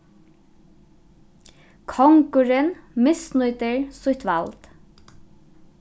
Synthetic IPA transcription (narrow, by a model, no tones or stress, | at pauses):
kʰɔŋkʊɹɪnmɪsnʊʏt̪əɹsʊht̪ʋɑ̰lt̪